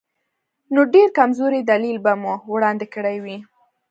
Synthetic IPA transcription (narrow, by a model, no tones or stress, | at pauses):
noɖeɾkamzoɾed̪alilbamuwɽɑnd̪ɪkəɽajwi